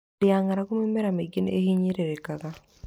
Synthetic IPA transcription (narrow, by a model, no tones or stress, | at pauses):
ɪaŋaɾakumemɛɾameɡinḛhiɲiɾeɾekaka